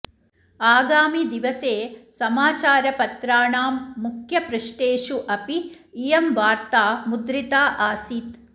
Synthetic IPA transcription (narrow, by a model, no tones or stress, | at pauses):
aːɡaːmid̪iʋɐseːsɐmaːt͡ʃaːɾɐpɐt̪ɾaːɳaːmːukʰjɐpɾuʃʈeːʃuʔɐpiː | jɐmʋaːɾt̪aːmud̪ɾit̪aːʔaːsiːt̪